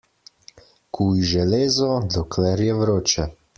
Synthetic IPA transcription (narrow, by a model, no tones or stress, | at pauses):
kʰuiʒɛleːzɔd̪ɔkʰlɛɾjɛwɾoːt͡ʃɛ